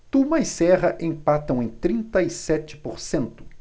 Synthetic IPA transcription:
t̪umɐisɛʁɐʔẽj̃pat̪ɐ̃w̃ẽj̃t̪ɾĩnt̪ɐisɛt͡ʃɪ̥poɾsẽnt̪ʊ̥

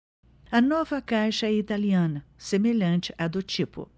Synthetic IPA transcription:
ɐnɔvɐkajʃɐɛit̪aliɐ̃nɐsemeʎɐ̃nt͡ʃɪʔɐd̪ʊt͡ʃipʊ̰

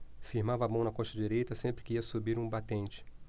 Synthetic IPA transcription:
fiɾmavɐabɐ̃w̃nɐkõʃt̪ɐd͡ʒiɾejt̪ɐsẽmpɾɪkɪiɐsubiɾũbat̪ẽnt͡ʃɪ̥

